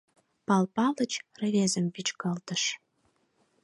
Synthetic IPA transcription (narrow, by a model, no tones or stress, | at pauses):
pɑlpɑlə̆t͡ɕrə̆βʲezə̆mvit͡ɕkɑlt̪ə̆ʃ